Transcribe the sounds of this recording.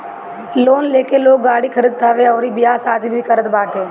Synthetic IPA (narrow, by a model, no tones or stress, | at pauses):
loːnleːkeloːɡːaːɽikʰəɾid̪̚t̪ʰaːʋeɔːɾibɪjaːsaːd̪ibʱikəɾət̪baːʈɦeː